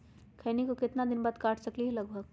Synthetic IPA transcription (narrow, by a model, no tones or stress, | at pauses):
kʰɐːnikokɪt̪nad̪ɪnbaːd̪kaːʈʰsɐkliɦɛlɐɡbʱəɡ̚